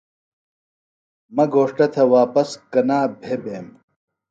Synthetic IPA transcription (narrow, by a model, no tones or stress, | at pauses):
mɐɡoːʂʈɐt̪ʰɐwaːpɐskɐnaːbʱebeːm